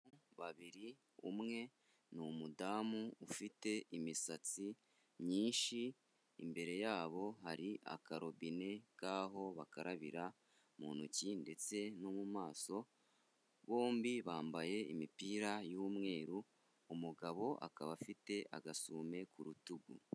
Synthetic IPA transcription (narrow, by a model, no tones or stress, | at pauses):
uβaβiɾi | ṵmŋe̞ | numudaːmuufite̞ʔimisat͡si | mɲiːnʃḭː | mbe̞ɾe̞jaːβo̞haɾiʔa̰kaɾo̞bine̞kaːɦo̞βakaɾaβiɾa | mṵːnucinde̞t͡se̞nomumaːso̞ | βo̞ːmbiβaːmbaje̞imipiːɾajuːmŋe̞ːɾuː | muɡaβo̞ʔa̰kaβafite̞ʔa̰ɡasuːme̞kuɾutuɡṵ